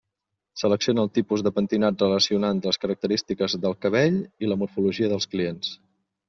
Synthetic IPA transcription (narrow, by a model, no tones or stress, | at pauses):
sələksionəːlˠt̪ipuzðəpənt̪inat̪rələsiunant̪ləskəɾək̚t̪əɾist̪ikəzðəlˠkəβeʎiləmuɾfuluʒiəðəlˠskliens